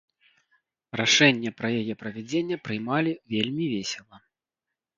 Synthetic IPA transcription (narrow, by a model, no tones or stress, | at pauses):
raʂɛnʲːɛpɾɐjajɛpɾɐvʲɛd͡zʲenʲːɛpɾɨjmalʲivʲelʲmʲivʲesʲɛlˠɐ